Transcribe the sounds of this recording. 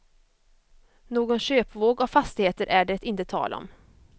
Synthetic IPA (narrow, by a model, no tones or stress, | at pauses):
noːɡɔnɕøːpvoːɡɔfast̪ɪheːt̪əɾʔæɖɛt̪ɪnt̪ət̪ʰɑ̰ːlʔaɔ̰m